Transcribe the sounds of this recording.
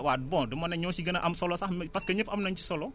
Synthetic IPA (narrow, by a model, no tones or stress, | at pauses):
wat̚bɔ̃dumɐnɛɲɔːsiɡɐnɐʔɐmsɔlɔsɐhmpɐskɐɲəpɐmnɐɲt͡ʃi̥sɔlɔ